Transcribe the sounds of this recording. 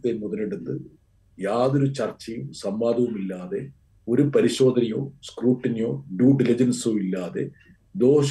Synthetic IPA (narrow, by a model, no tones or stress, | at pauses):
t̪ːemuðɐleɽut̪ːɨ | jaːðo̞ɾut͡ɕɐrt͡ɕːɐjumsɐmbaːd̪ʱɐʋumilːaːðe̞ | o̞ɾupɐɾiɕo̞ːd̪ʱɐnɐjoːskruːʈːɐnijoːɖuːɖilid͡ʑɐnsoːilːaːðe̞ | d̪o̞ːɕ